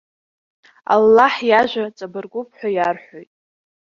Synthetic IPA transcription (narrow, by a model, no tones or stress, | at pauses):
a̰lːaħjaʒʷat͡sʼabɨrɡʷʊpʰħʷᶣajarħʷojtʼ